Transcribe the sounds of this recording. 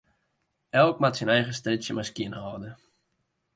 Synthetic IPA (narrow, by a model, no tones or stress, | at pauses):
ʔɛlˠk̚matsinɛjχəstrɪsjəmaskjiənhɔːdə